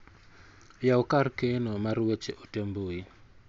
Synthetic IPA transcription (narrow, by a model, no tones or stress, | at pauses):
jaɔkarkenomarwet͡ʃeʔotemboi